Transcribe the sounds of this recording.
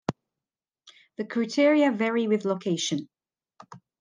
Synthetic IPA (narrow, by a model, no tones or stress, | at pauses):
ðəkʰɹ̥ʉtʰɪɹiəvɛɹiwɪðləkʰeɪʃə̃n